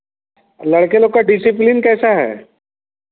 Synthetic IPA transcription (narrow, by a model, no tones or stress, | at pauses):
lɐɽkeloːɡ̚kaɖɪsiplɪnkɛːsaɦɛ̰ː